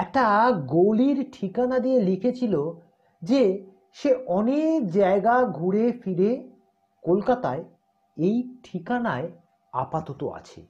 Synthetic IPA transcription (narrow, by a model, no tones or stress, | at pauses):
ɛk̚ʈaɡoliɾʈʰikanad̪ielikʰet͡ɕʰilo | d͡ʑe | ʃeɔnekd͡ʑaeɡaɡʱuɽefiɾe | kolkat̪ae | ejʈʰikanae | a̰pat̪ot̪o̰a̰t͡ɕʰḛ